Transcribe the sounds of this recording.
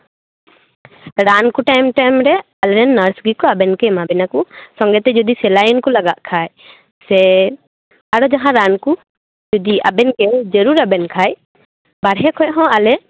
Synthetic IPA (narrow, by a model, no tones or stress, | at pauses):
ɾankuʈajmʈajmɾɛ | alɾɛnːaɾsɡikɔabɛnkɛmabɛnakusɔŋɡɛt̪ɛd͡ʒɔd̪isɛlajɔnkɔlaɡaʔ̪kʰaj | sɛ | aɽɔd͡ʒaɦãɾanku | d͡ʒɔd̪iʔabɛnkɛd͡ʒəɾuɾabɛnkʰaj | baɽɦɛkʰɔj̚ɦɔ̃alɛ